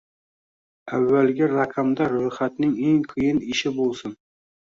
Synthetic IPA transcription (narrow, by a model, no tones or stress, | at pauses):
avːalɡʲɪɾaqʰamd̪aɾɵjχat̪nɪŋe̞ŋqʰɨjɪnɪʃɪbolˠsɪn